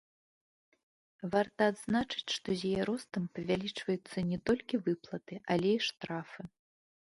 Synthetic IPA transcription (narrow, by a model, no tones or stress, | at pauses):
vart̪ɐːd̪znat͡ʂɨ̥t͡sʲʂt̪ɔzʲjajɛɾɔst̪ɐmpɐvʲalʲit͡ʂvɐjut̪sːɐnʲɛt̪ɔlʲkʲivɨplˠɐt̪ɨʔɐlʲɛiʂt̪ɾafɨ